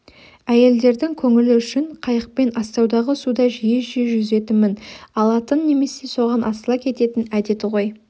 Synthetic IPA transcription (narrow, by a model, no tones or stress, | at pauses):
æje̞ld̪e̞ɾd̪ɪŋkʲʰɵŋɪlɪʏʃɪɴqʰɑjəq̚pe̞nɑst̪ɑwd̪ɑʁəsud̪ɑʒijeʒeʒʏze̞t̪ɪmɪnɑlˠɑt̪ənːe̞me̞se̞so̞ʁɑnʔɑsəlˠɑkʲʰe̞t̪e̞t̪ɪnæd̪e̞t̪ɪʁo̞j